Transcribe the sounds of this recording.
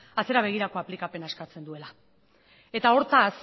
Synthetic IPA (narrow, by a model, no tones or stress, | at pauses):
at͡se̞ɾaβ̞e̞ɣ̞iɾako̞aplikape̞naeskat͡se̞nd̪ue̞la | e̞t̪ao̞ɾt̪as